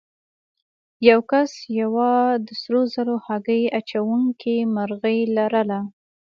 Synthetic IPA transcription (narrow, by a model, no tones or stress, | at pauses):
jawkasjawɑd̪əsɾozalohaɡəjat͡ʃawuŋkimaɾɣəjlaɾəla